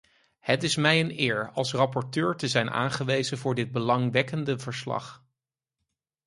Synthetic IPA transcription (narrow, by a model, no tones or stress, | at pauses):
hətɪsmɛjənɪːɹɑlˠsrɑpɔɹtøːɹtəzɛjnʔa̰ːnχəʋejzənvʊːɹdɪd̚bəlɑŋʋɛkəndəvəɹslɑ̰χ